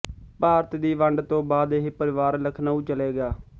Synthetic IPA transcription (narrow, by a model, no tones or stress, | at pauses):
paːɾət̪d̪iːʋəɳɖt̪õːbaːd̪eɦːpəɾɪʋaːɾləkʰnaːũːt͡ʃəleːɡaː